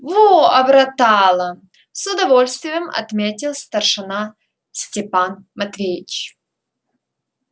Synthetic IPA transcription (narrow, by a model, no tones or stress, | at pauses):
voɐbɾɐt̪alˠə | sʊd̪ɐvo̞lʲst̪vʲɪjəmɐ̰t̪mʲetʲɪlˠst̪ərʂɨna | sʲtʲɪpanmɐt̪vʲejɪt͡ɕ